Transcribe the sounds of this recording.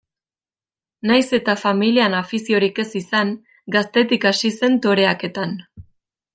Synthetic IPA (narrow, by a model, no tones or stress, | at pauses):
najse̞t̪afamilianafisio̞ɾike̞sisaŋ | ɡast̪e̞t̪ikasise̞nt̪o̞ɾe̞ake̞t̪an